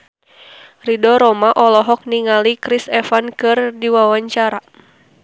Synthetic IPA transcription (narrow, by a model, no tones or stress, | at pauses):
ridɔɾɔmaʔɔlɔɦɔk̚niŋalikɾisɛfankɨrdiwawaɲt͡ʃaɾa